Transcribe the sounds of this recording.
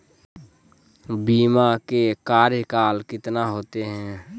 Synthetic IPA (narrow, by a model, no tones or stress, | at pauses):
biːmakekaːɾjəkaːlkɪt̪naɦoːt̪eɦɛ̃ː